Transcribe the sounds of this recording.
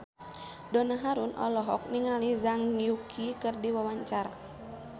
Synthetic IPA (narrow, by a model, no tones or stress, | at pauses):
dɔnaɦaɾunʔɔ̰lɔɦɔk̚niŋalizaŋiukʰikɨrdiwawaɲt͡ʃaɾa̰